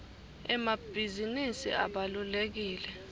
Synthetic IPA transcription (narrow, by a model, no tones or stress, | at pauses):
ɛmab̥ʱizinisḭaɓalulek̬iːlɛ